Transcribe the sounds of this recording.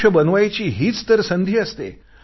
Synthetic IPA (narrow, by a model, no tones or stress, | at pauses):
əbənʋajt͡ɕiːɦiːt͡st̪əɾsənd̪ʱiːəst̪ḛ